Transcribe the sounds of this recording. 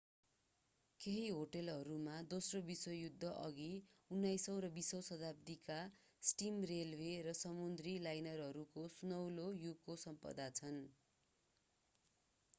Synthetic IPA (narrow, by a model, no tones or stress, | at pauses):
keɦiɦoʈelɦʌɾumad̪osrobiswʌjud̪ʱːʌʔʌɡiunːajsʌw̃ɾʌbisʌwsʌd̪ap̚t̪ika | sʈimrelwerʌsʌmund̪rilajnʌrɦʌɾukosunʌwlojukːosʌmpʌ̰d̪at͡sʰʌn